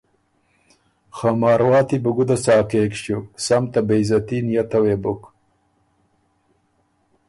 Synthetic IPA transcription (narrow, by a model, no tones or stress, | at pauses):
xamɑːɾwɑːt̪ibuɡud̪asɑːkeːkɕuksamt̪abejzɐt̪injat̪ɐwebʊk